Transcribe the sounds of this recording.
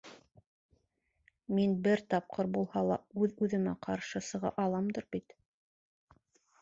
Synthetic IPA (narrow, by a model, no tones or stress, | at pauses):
minbɘɾt̪ɑp̚qɤɾbulˠhɑlˠɑ̰ʉðʉðɘ̆mæ̰qʰɑɾʃɤsɤ̆ʁɑ̰ʔɑlˠɑmd̪ɤɾbit̪